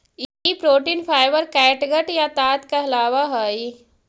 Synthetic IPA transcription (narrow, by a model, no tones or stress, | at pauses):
ipɾoːʈiːnpʰaːɪʋəɾkɛːʈɡəʈjat̪aːt̪kaɐlaːʋaɦaːi